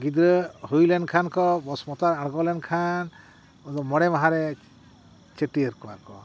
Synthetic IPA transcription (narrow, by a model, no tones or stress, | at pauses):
ɡid̪ɾəɦujlɛnkʰankɔbɔsmɔt̪aɾaɽɡɔlɛnkʰan | ɔzɔmɔɽɛmaɦaɾɛ | t͡ʃeʈiəɾkɔwa̰ɾkɔ